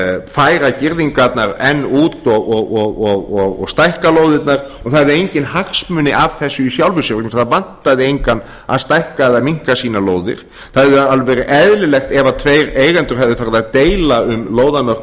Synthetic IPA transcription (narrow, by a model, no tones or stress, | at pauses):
faːjɾacɪɾðiŋkat̪naɾɛnːuːt̪ɔɣɔɣɔɣɔɣɔɣɔ̰ɣst̪ajhkaloːwðɪt̪naɾ | ɔθaððɪejɲcɪnhaksmʏnɪʔavθɛsːʏisjawlvʏsʏɾʏkmsθaðvan̥t̪aðɪejŋkanː | a̰ðst̪ajhkaðaðmiŋ̥kasiːnaloːwðɪ̰ɾ̥ | θaðɛðʏalvɛɾɪʔɛðlɪlɛxt̪ɛvat̪ʰveːjɾeːjɣɛnt̪ʏɾ̥ɦɛvðɪfaɾðat̪eːjlaʏmloːwðamœr̥k